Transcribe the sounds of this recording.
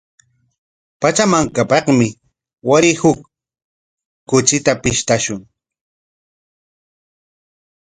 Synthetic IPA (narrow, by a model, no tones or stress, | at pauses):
pat͡ʃamaŋkapɑχmɪ | waɾɪhʊk | ʊt͡ʃɪt̪apɪʃt̪aʃʊŋ